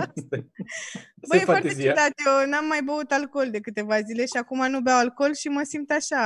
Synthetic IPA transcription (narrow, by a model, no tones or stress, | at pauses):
bəjefwart̪eeziad̪at̪jonamːajbəut̪alko̞ld̪e̞kɨt̪e̞vazile̞ʃiakumanubeawalko̞lʃiməsimp̚t̪aʃa